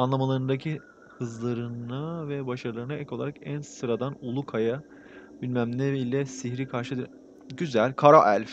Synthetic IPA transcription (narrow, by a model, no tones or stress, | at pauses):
anlˠamalˠaɾɯnd̪acʰi | hɯzlˠaɾɯnavɛbaʃaɾɯlˠaɾɯnaʔɛco̞lˠaɾakænsɯɾad̪anulˠukʰaja | bilʲmæmnʲɛɾilʲɛsiçɾikʰaɾʃɯd̪ɯɾ | ɟyzælʲkʰaɾaʔælʲf